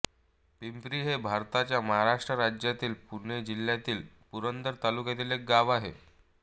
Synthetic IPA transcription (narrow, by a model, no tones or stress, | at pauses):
pimpɾiːɦebʱaɾt̪at͡ɕjaməɦaɾaʂʈɾəɾad͡ʑjat̪iːlpunɳed͡ʑil̤jat̪iːlpuɾənd̪əɾt̪alukjet̪ilek̚ɡaʋaɦḛ